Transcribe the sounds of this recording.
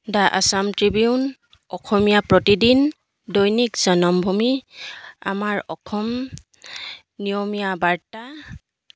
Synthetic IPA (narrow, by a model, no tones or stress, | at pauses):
daʔasamtɹibiun | ɔkʰɔmijapɹɔtidin | dɔjnikz̥ɔnɔmbʱumi | a̰maɹɔkʰɔm | nijɔmijabaɹta